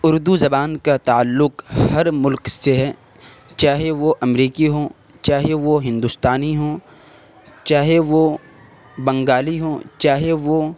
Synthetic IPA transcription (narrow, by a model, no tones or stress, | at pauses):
ʊɾd̪uzɐbaːnkat̪aːəlːʊkhɐɾmʊlkseɦɛː | t͡ʃaːɦeʋoʔɐmɾiːkiɦoː | t͡ʃaːɦeʋoɦɪ̃nd̪ʊst̪aːniɦoː | t͡ʃaːɦeʋo | bɐ̃ŋɡaːliɦoːt͡ʃaːɦeʋo